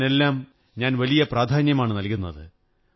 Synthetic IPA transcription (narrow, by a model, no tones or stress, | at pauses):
e̞lːaːm | ɲaːnʋɐlijɐpraːd̪ʱaːnjɐmaːɳɨnɐlkʲunːɐðɨ